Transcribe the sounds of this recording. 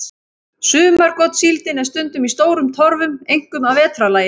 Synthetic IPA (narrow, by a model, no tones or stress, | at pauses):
sʏːmaɾkɔt̪silt̪ɪnɛɾ̥st̪ʏnt̪ʏmist̪oːwɾʏmt̪ʰɔɾvʏmejŋ̥kʏmaðvɛːt̪ɾalaːjɪ